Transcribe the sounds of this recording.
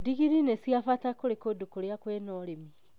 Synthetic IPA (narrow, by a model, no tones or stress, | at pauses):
diɣiɾinesiafatakoɾekodukoɾjakwɛnɔɾemi